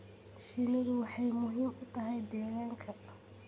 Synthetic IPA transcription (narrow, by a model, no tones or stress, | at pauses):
ʃinɐðʊwɑħɑjmʊɦiːmʊt̪ʰɐɦɛjd̪ɛːɣaːŋkʰɐ